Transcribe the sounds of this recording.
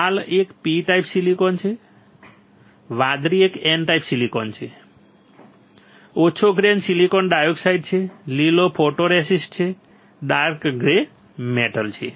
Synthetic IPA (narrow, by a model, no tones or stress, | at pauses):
alekpiʈajpsilikɔnt͡ʃʰe | ʋãd̪ɾiekenʈajpsilikɔnt͡ʃʰe | ot͡ʃʰoɡɾensilikɔnɖajoksaiɖ̚t͡ʃʰelilopʰoʈoɾesisʈt͡ʃʰe | ɖaɾkɡɾe | meʈəlt͡ʃʰḛ